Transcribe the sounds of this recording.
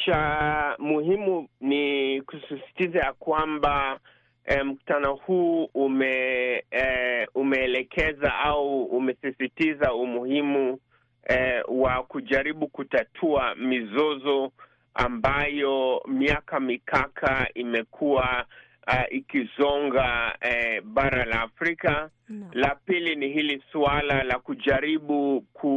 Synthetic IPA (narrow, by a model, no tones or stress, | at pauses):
ʃamuhimunikusisi̥tizajakwamba | m̩ku̥tanɔhuːmɛ | umɛːlɛkʰɛzaʔauːmɛsisitizaumuhimu | wakuʄaɾiɓukutatʰuamizɔzɔ | a̰mbajɔmiakamikakʰaimɛkʰua | ikizɔŋɡaɛɓaɾalaːfɾika | lapiliniɦilisualalakuʄaɾiɓukʰu